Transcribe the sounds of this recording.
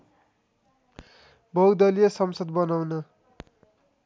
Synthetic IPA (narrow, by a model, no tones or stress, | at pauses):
bʱʌɡd̪ʌlijʌsʌmsʌd̪̚bʌnawnʌ